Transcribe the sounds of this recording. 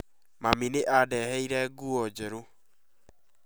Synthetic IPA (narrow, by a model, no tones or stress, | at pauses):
mamineʔadɛhɛiɾɛɡuɔd͡ʒɛɾo